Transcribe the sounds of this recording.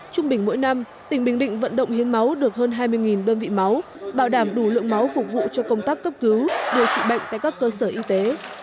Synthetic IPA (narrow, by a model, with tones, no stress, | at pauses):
t͡ɕʊ˧ŋ͡mɓï˨˩ŋ̟mo̰˧˥jna˧m | t̪ï˨˩ŋ̟ɓï˨˩ŋ̟ɗḭ̈˧˨ŋ̟və̰˧˨nɗə̰˧˨wŋ͡mhi˨˦ənma˨˦wɗɨ˨˩ək̚ɦəː˧nɦaː˧jmɨ˧əjŋi˨˩nɗəː˧nvḭ˧˨ma˨˦w | ɓaː˧˩wɗaː˧˩mɗu˧˩lɨ̰˧˨əŋma˨˦wfʊ˨˩k͡p̚vṵ˧˨t͡ɕɔ˧kə˧wŋ͡mt̪aː˦˥kːə˦˥p̚kɨ˨˦wɗe˨˩w̚t͡ɕḭ˧˨ɓa̰˧˨jŋ̟t̪a̰ː˧˨jkaː˦˥kːəː˧səː˧˩ʔi˧t̪e˨˦